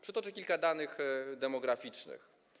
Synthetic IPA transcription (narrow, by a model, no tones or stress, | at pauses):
pʂɘt̪ɔt͡ʂɘkʲilkad̪anɘxd̪ɛmɔɡɾafʲit͡ʂnɘ̰x